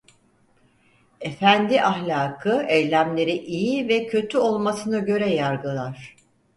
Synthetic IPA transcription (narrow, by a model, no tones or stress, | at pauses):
efænd̪iʔahlʲaːkʰɯejlʲæmlʲe̞ɾiʔijivɛcʰø̞t̪ʰyo̞lˠmasɯnaɟø̞ɾɛjaɾɡɯlˠaɾ̝̥